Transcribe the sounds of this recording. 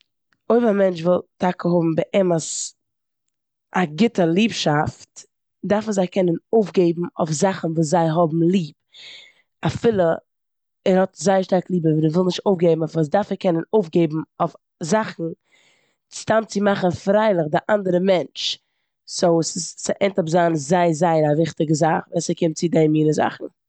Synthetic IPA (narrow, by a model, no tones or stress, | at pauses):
oɪfamɛnt͡ʃvɪlˠtakəɦɔbm̩bəʔɛməs | ʔaɡɪtəlˠiːpʃaft | daɾfzaɪkɛnənoʊfɡeɪbm̩o̰ʊfzaχn̩vuːs̬zaɪɦɔbm̩lˠiːp | afɪlˠə | ɛɾhɔtzaɪəʃtaɾklˠiːbəviːnɛvɪlˠnɪʃtoʊfɡeɪbm̩ɔfvuːs̬daɾfɛkʰɛnənoʊfɡeɪbm̩of | zaχn̩ | t͡sɪ̥tamt͡sɪmaχən̩fɾaɪlˠɪχdɪʔandəɾəmɛnt͡ʃ | soʊsɪst͡sɪʔɛntʊpzanzaɪzaɪnavɪχtɪɡəzaχvɛsɛkɪmt̚t͡sɪdɛmjiːnəza̰χn̩